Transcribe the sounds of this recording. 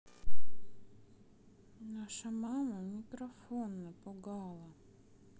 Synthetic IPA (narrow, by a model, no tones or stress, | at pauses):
naʂəmaməmʲɪkɾɐfonːəpʊɡɑlˠə